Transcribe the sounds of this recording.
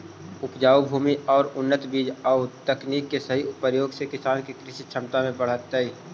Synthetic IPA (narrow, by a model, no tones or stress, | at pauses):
ʊpd͡ʒaːubʱuːmiɔːɾʊnːət̪biːd͡ʒaːt̪əkniːkːesəɦiʊpəjoːɡsekɪsaːnkikɾɪʃit͡ʃʰəmt̪amẽpəɽ̤ət̪ːaiː